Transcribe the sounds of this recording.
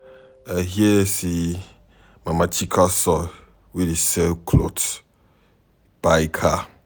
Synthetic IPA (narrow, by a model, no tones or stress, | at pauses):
ɛɦiesi | mãmãt͡ʃʰikʰasɔ | widisɛkʰlot | b̥ajkʰa